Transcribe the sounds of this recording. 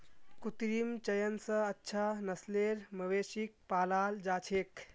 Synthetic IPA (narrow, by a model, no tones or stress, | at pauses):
kut̪ɾimt͡ʃəjənsəətːʃʰanɐsleɾməʋesik̚paːlaːld͡ʒaːt͡ʃʰek